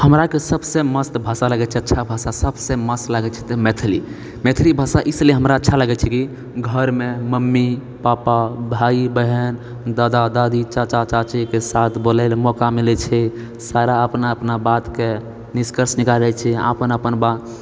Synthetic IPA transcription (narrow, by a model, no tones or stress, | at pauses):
həmɾakesəbseməst̪bʱasalaɡɛt͡ʃʰɛətːʃʰabʱasasəbseməst̪laɡɛt͡ʃʰɛ̥t̪ɔmet̪ʰli | met̪ʰlibʱasaʔisleɦəmɾaətːʃʰalaɡɛt͡ʃʰɛki | ɡʱəɾmeməmːi | papabʱaibəɦən | d̪ad̪ad̪ad̪it͡ʃat͡ʃat͡ʃat͡ʃikesat̪ʰbolɛlmɔkamilɛt͡ʃʰɛ | saɾaəpnaəpnabat̪ke | niskəɾsnikaɾɛt͡ʃʰɛa̰pənəpənbat̪